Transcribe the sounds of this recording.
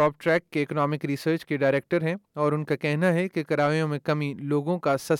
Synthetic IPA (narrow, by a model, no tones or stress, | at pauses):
ɔːp̚ʈɾɛːkːeːknɔːmɪkɾisəːɾt͡ʃkeɖaːɪɾeːk̚ʈəɾɦɛ̃ɔːɾʊnkakɛɦnaɦɛkekɐɾaːʋijõmẽkɐmiloːɡõkasɐ